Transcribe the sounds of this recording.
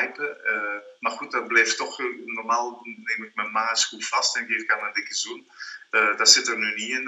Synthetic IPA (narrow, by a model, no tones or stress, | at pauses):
jpə | marxut̚dɔtblɛjftɔxnɔrmaːlˠneːmɪk̚mɛnmaːskufastɛnɡeːfkamadɪkəzunədasɪtərnyniɪn